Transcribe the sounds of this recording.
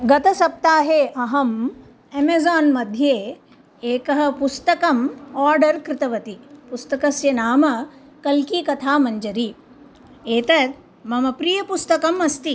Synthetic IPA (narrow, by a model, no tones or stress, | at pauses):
ɡɐt̪ɐsɐp̚t̪aːɦeːʔɐɦɐm | emeːzaːnmɐd̪ʱjeː | eːkɐɦɐ̆pust̪ɐkɐmaːɾɖɐɾkɾɪt̪ɐʋɐt̪ipust̪ɐkɐsjɐnaːmɐ | kɐlkiːkɐt̪ʰaːmɐɲd͡ʒɐɾi | eːt̪ɐt̪ | mɐmɐpɾijɐpust̪ɐkɐmɐst̪i